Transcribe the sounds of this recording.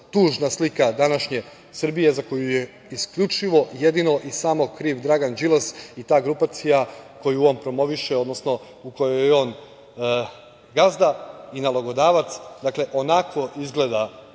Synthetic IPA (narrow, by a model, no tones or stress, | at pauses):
t̪uːʒnaslikad̪anaʃɲe̞ | sr̩bije̞zako̞juje̞ | iskʎut͡ʃiʋo̞je̞d̪ino̞ʔisaːmo̞kɾiːʋd̪ɾaɡand͡ʒilˠosit̪aːɡɾupat̪sijako̞juompɾo̞mo̞ʋiʃeo̞d̪no̞sno̞ | uko̞jojo̞ːn | ɡazd̪ainaloɡo̞d̪aːʋat̪sd̪akle̞ʔo̞nako̞ʔizɡle̞d̪a